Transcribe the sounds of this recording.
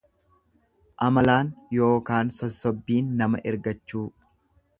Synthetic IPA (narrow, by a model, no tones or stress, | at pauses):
ʔɐmɐlaːnjo̞ːkaːnsɔsːɔbːiːnːɐmɐʔɪɾɡɐt͡ʃːuː